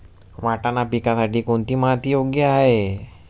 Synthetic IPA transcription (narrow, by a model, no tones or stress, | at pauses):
ʋaːʈanapikasaʈikont̪imat̪ijoːɡjaɦe